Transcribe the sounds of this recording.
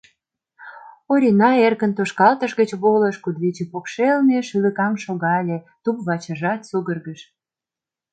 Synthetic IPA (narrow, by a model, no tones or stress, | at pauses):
oɾʲinɑerkənt̪oʃkɑlt̪ə̆ʃɣət͡ɕβoləʃkud̪βit͡ɕepokʃelneʃyləkɑmʃoɣɑlʲe | t̪upβɑt͡ɕə̆ʒɑt̪suɣərɣəʃ